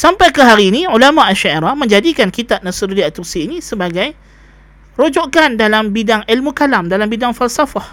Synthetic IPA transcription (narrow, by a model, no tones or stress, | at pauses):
sampajkəɦaɾiːnĩulamaʔaʃaiɾahmə̃ɲd͡ʒadikankit̪ap̚nasiɾudiat̪ursiːnĩsəbaɡaj | ɾod͡ʒoʔkandalambidaŋilmukalamdalambidaŋfalsafah